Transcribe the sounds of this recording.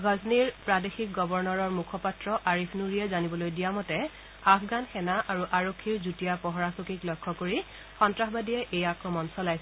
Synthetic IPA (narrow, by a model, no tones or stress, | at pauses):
ɡʱɔzniɹpɹadexik̚ɡɔbɔɹnɔɹɔɹmukʰɔpatɹɔʔaɹipʰnuɹiɛzanibɔlojdijamɔtɛ | afɡanxɛnaʔaɹuʔaɹokʰːiɹzutijapɔɦɔɹasokiklɔjkʰːɔkoɹi | xɔntɹaxbadijɛʔejakɹɔmɔnsɔlajsɛ